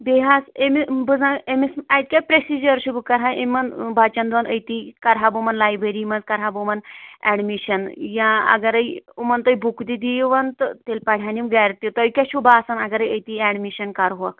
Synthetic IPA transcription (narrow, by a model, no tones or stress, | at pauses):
beɦasemibɨd͡zãemismajt̪̚kʲapɾesid͡ʒəɾɕubkɐɾɦaʔemɐnbat͡ʃɐnd̪ʋɐnəjt̪ikɐɾɦabumɐnlajbeɾimɐnd͡zkɐɾɦabumɐnɛ̰ɽmiɕɐnjãɐ̰ɡɐɾəjumɐnt̪əjbʱukd̪id̪ijʋɐnt̪ət̪elpaɽ̤ʱʲjanimɡaɾt̪it̪əjkʲaɕubʱaːsanaɡɐɾəjəjt̪iɛɽmiɕənkaɾɦuʋa̰k